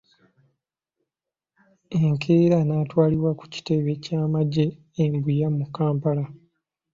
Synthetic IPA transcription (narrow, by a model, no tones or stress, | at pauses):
eŋkʰeːɾanaːtwaːliβwaku̥ci̥te̞βe̞caːmaɟe̞ː | mbujamukːaːmpala